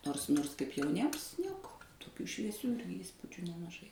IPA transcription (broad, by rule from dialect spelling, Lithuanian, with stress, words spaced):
ˈnoːrs ˈnoːrs kɐɪp jɛʊˈnʲiɛms ˈnʲiɛkoː toːˈkʲuː ʃʲʋʲiɛˈsʲuː ˈiːspʊd͡ʒʲʊ nʲɛmɐˈʒɐɪ